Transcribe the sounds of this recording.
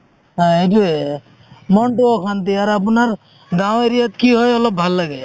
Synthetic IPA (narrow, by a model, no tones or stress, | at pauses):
ɦãeʈue | mɔɳʈuɔkʰant̪iaɾapunaɾ | ɡãw̃eɾijɔt̪kiɦɔjɔlɔbʱalːaɡe